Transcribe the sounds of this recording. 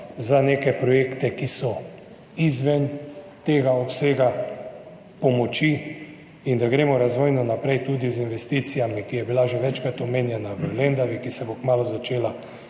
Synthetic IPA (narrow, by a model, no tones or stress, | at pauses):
zaneːkɛpɾɔjeːkt̪ɛkisɔ | izʋɛnt̪eːɡaɔpseːɡa | pɔmɔt͡ʃi | ind̪aɡɾeːmɔɾazʋoːjnɔnapɾɛjt̪uːd̪izinʋɛst̪iːt̪sijamikijɛbilaʒɛʋɛt͡ʃkɾat̪ɔmeːnjɛnaʋəlend̪aʋikisɛbokmaːluzat͡ʃeːla